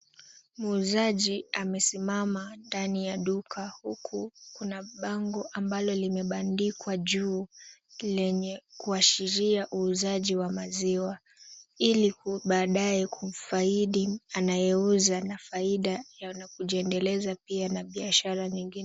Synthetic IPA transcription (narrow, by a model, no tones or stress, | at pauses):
muzaʄiamɛsimamandanijaɗukʰahukʰukunaɓaŋɡɔʔambalɔlimɛɓandikwaʄuːlɛɲɛkuaʃiɾiaʔuːzaʄiwamaziwa | iliuɓaːɗajɛkʰum̩faiɗianajɛuzanafaiɗajanakuʄiɛndɛlɛzapianaɓiaʃaɾaɲiŋɡinɛ